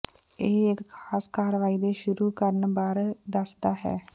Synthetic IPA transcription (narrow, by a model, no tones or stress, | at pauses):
eːɪkkʰaːskaːɾʋaːiːd̪eːʃʊɾuːkəɾənbaːɾd̪əsd̪aːɦɛ̰ː